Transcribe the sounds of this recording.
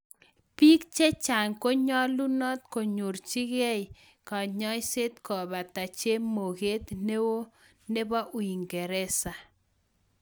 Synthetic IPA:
pi˦kt͡ʃe˦t͡ʃa˨ŋko˦ɲɔ˦lu˦nɔ˦t̪ko˨ɲu˨ɾt͡ʃi˦ɡɛ˦j | kɔ˨ɲɔ˦jse˦t̪kɔ˨ba˨ta˨t͡ʃe˦mo˨ɡe˦t̪ne˦wo˦ | ne˦ba˦ʔu˨i˨ŋɡe˨ɾɛ˦sa˨

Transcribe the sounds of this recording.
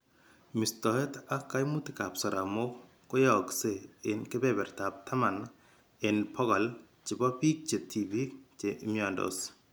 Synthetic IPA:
mi˨st̪ɔ˨he˦t̪a˦kːa˦jmu˦t̪i˨ka˨psɔ˨ɾa˨mo˦ | ko˦jɔkse˦ɪ˨nke˦bɛ˦bɛ˨ɾt̪a˨p̚t̪ʰa˦ma˨n | ɪnpʰɔ˦ɡa˨l | t͡ʃɪ˨bɔ˦pi˦k̚t͡ʃe˨t̪ʰi˨bi˦t͡ʃeʔmjɔndo̰s

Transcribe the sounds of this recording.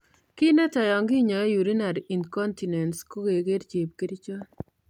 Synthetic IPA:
kɪ˦nɛ˦tɔ˨jɔ˨ŋɡi˦ɲɔ˨˦ju˨ɾi˦na˨ɾi˨nkɔ˦nti˨nɛ˨ntsko˦ɡe˨ɡe˦dt͡ʃe˨p̚ki˦ɾi˦t͡ʃo˦

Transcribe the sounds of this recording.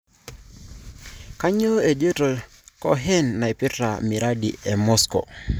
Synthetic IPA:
ka˦ɲo˦e˨d͡ʒe˦to˨ | kɔ˦ɦɛ˦nːa˨e˨pɪ˦ɾːa̰˨mi˨ɾa˦dḭ˨ɛ˨mɔ˦skɔ̰˨

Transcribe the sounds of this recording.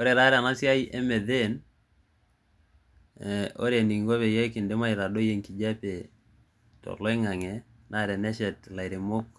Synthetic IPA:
o˦ɾe˨ɾa˦ɾɛ˨a˨na˦sɪ˦a˦jie˦mɛ˨ðe˦n | o̰˦ɾe˨ni˨ŋɡo˦βe˨je˦kɪ˨nde˦ma˦ɪ˨ɾa˨do˦je˦ŋki˨d͡ʒa˦pe˨ | tɔ̰˨lɔ˦ɪ˦ŋa˨ŋɛ˨ | nʔa˦ɾɛ˨nɛ˦ʃɛ˨tla˨jɾi˨mo˦k̚

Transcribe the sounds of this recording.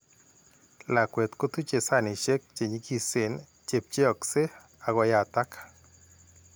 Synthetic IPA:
la˨kwe˨t̪ko˦t̪u˦t͡ʃe˨sa˦ni˨ʃe˦k̚t͡ʃe˨ɲi˦ki˦se˨n | t͡ʃe˨p̚t͡ʃe˦ɔ˨kse˦ | a˨ɡɔ˧˦ja˨t̪a˦kḁ

